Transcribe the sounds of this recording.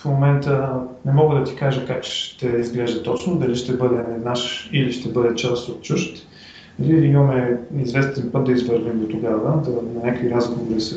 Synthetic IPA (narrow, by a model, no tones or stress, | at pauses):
fmomɛnt̪ənɛmɔɡəd̪ɐt̪i̥kaʒəkakʃʃt̪ɛizɡlɛʒd̪ət̪ɔt͡ʃnod̪ɐliʃt̪ɛbɤd̪ɛːd̪naʃiliʃt̪ɛbɤd̪ɛt͡ʃast̪ot̪̚t͡ʃuʃt̪ | ɐliimɐmɛizvɛst̪ɛnpɤt̪̚d̪ɐizvəɾnimd̪ot̪oɡavəd̪ɐnɐnʲakviɾazɡovoɾisə